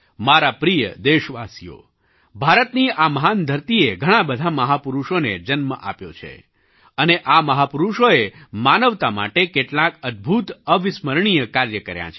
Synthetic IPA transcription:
maɾapɾijə̰d̪eʃʋasijo̰ | bʱaɾət̪niaməɦand̪ʱəɾt̪ieɡʱəɽ̃ãbəd̪ʱaməɦapuɾuʃoned͡ʒənmə̰ʔa̰pjo̰t͡ʃʰḛ | əneʔaməɦapʊɾuʃoemanəʋt̪ama̰ʈekeʈlãkəd̪̚bʱut̪əʋɪsməɾɳ̃ijəkaɾjəkəɾja̰t͡ʃʰe

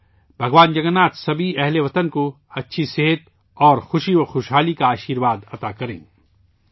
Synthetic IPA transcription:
bʱɐɡʋaːnd͡ʒɐɡnaːt̪sɐbʱiɛɦleʋɐt̪ənko | ɐtːʃʰiseɦət̪ | ɔːɾxʊʃiʋɐxoːʃɦaːlikaaːʃiːɾʋaːd̪ɐt̪akɐɾḛ̃ː

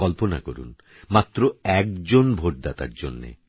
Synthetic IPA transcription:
ɔlpona̰koɾṵn | mat̪ːɾoɛk̚d͡ʑonbʱoʈ̚d̪at̪a̰ɾd͡ʑonːḛ

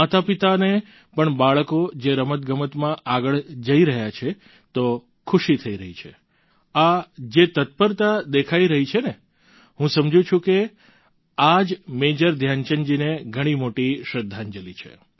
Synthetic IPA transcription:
at̪apit̪ane | pəɳbaɭkod͡ʒeɾəmət̪ɡəmət̪mãʔaɡəɭd͡ʒəiɾəɦjat͡ʃʰe | t̪o | kʰʊʃit̪ʰəiɾəɦit͡ʃʰḛ | ad͡ʒet̪ət̪̚pəɾt̪ad̪ekʰaiɾəɦit͡ʃʰene | ɦũsəmd͡ʒũt͡ʃʰũke | ad͡ʒmed͡ʒəɾd̪ʱjant͡ʃənd͡ʒineɡʱəɽ̃imoʈiʃɾəd̪ʱːand͡ʒəlit͡ʃʰḛ

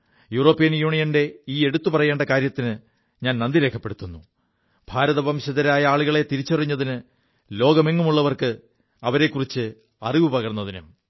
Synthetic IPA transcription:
juːro̞ːpːijɐnjuːɳijɐnde̞iːeɽut̪ːupɐrɐje̞ːɳɖɐkaːɾjɐt̪ːinɨ | ɲaːnnɐnd̪iɾe̞ːkʰːɐpːe̞ɽut̪ːunːu | b̥ʱaːɾɐðɐbʱɐmɕɐðɐɾaːjɐaːɭuɣɐɭe̞t̪iɾit͡ɕːɐrɐɲːɐðinɨ | lo̞ːɡɐmeŋːumuɭːɐʋɐrkɨ | ɐʋɐɾe̞kːurit͡ɕːɨ | ɐriʋɨpɐɣɐrɐnːɐðinum

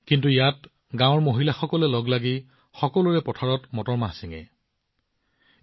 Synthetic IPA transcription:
kintuijat | ɡãwɔɹmoɦilaxɔkɔlɛlɔɡlaɡi | xɔkɔlʊɹɛpɔtʰaɹɔtmɔtɔɹmasiŋɛ̰

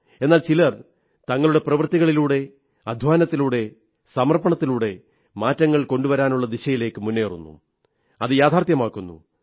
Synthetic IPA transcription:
e̞nːaːlt͡ɕilɐr | t̪ɐŋːɐɭuɽe̞prɐʋɐrt̪iɣɐɭiluːɽe̞ | ɐd̪ʱʋaːnɐt̪ːiluːɽe̞ | sɐmɐrpɐɳɐt̪ːiluːɽe̞ | maːtːɐŋːɐɭko̞ɳɖuʋɐɾaːnuɭːɐd̪iɕɐjile̞ːkːɨmunːeːrṵnːṵ | ɐðɨjaːt̪ʰaːrt̪jɐmaːkːunːṵ

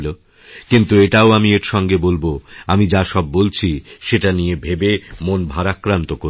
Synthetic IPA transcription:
lo | kint̪ueʈaoamieɾʃɔŋɡebolboamid͡ʑaʃɔb̚ːolt͡ɕʰiʃeʈanijebʱebemonbʱaɾakːɾant̪oko

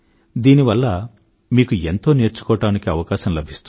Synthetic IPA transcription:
d̪iːniʋɐlːɐ | miːkue̞nt̪o̞ːne̞ːɾt͡ʃu̥kɔːɐʈaːnikiɐʋɐkaːʃɐmlɐbʱist̪u

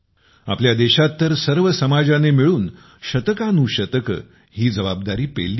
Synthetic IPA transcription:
a̰pljad̪eɕat̪ːəɾsəɾʋəsəmad͡zanemiɭuːn | ɕət̪əkanuɕət̪əkə | hiːd͡zəʋab̚d̪aɾiːpḛlːi

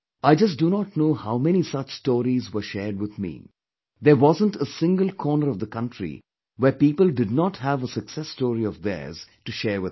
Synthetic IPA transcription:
aɪd͡ʒʌs̬dunɔtnoːhaʊmɛñisʌt͡ʃstɔːɾizwə˞ʃɛːɹɖ̚wɪðmḭː | ðəwɔzə̃ntəsɪ̃ŋɡəlˠkʰɔːnəɾɔvðəkʌ̃ntʰɹḭ | wɛpiːpəlˠɖɪd̚nɔʈhævəsəksɛstɔːɾiɔvd̪ɛ̰˞z̥tuʃɛːwɪ

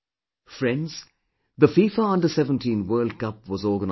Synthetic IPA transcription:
fɹɛ̃ndz̥ | ðəfiːfəʌ̃ndəsɛvə̃ntʰĩnwɜːlˠd̚kʌp̚wɔzɔːɡən

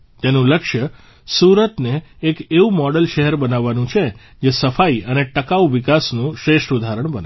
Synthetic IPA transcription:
t̪enũləkʃjə | suɾət̪neːkeũmɔɽəlʃɛɦɛɾbənaʋːanũt͡ʃʰe | d͡ʒesəfaiəneʈəkaʋuʋikasnũʃɾeʃʈud̪ʱaɾəɳ̃bəne

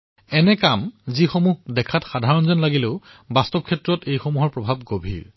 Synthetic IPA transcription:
ɛnɛkamzixomuɦdɛkʰatxadʱaɹɔnzɔnlaɡileʊ | bastɔb̚kʰɛtɹɔtejxomuɦɔɹpɹɔbʱabɡobʱḭɹ

